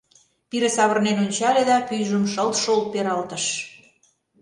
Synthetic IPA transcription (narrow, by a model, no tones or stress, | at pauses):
piɾesɑβə̆rnenonʲt͡ɕɑled̪ɑpyjʒəmʃəlt̪ʃolt̪̚peɾɑlt̪ə̆ʃ